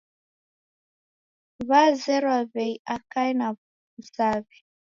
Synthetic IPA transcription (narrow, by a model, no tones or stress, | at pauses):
βazɛɾwaβɛiʔakaina | usaβi